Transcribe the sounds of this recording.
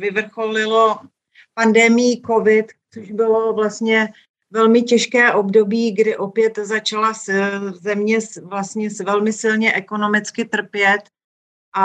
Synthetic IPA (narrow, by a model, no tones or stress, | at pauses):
vɪvr̩xolɪlo̞ | pandɛmɪjiko̞vɪt̪t͡soʒbɪlo̞vlast̪ɲɛ | vɛlmɪcɛʃkɛːʔo̞bdo̞biːɡdɪʔo̞pjɛt̪zat͡ʃalaszɛmɲɛsvlast̪ɲɛsvɛlmɪsɪlɲɛʔɛko̞no̞mɪt͡skɪt̪r̩pjɛt̪ | ʔa